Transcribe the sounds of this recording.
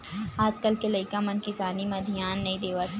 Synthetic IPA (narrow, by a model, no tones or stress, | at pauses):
aːd͡ʒkəlkelɐɪkãmɐnkɪsaːnimɐd̪ʱijaːnːɐɦĩd̪eːʋat̪